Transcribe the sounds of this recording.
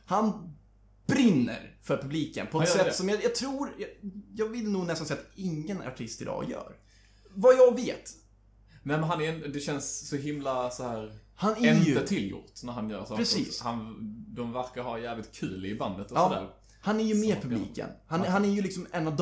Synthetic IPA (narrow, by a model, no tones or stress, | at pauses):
han | b̥ɾɪnːə̰ɾfœɾpʰɵbliːkə̰npʰɔɛt̪sɛt̪ːsɔmjɑjɑt̪ʰɾuːɾjɑjɑːɡvɪlːnuːɡnɛst̪ansɛjːat̪ɪŋːəna̰ʈʰɪst̪ɪld̪ɑ̰ːjœ̰ːɾ | vajɑɡveːt̪ | nɛmɛnɦanæɾɛnd̪ɛɕɛnsːɔɦɪmlasɔhæːɾ | hanæɵət̪ʰɪljʊ̰t̪næɾhanjœ̰ːɾsɔpɾɛsḭːshand̪ɔmvæɾkaɦaɾjæːvlɪt̪̚kʰʉ̟ːlɪɪband̪ət̪ɔɑːɔd̪æ̰ːɾ | hanæɾjɵmeːɾpʰɵblḭːkə̰nhanɦanæɾjɵlɪksɔmɛnːavd̪